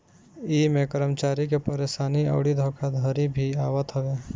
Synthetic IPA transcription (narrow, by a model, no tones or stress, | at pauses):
imẽkəɾəmt͡ʃaːɾikepəɾeːsaːniə̰ʊɽid̪ʱoːkʰad̪ʱəɾibʱiaːwət̪ɦɐʋe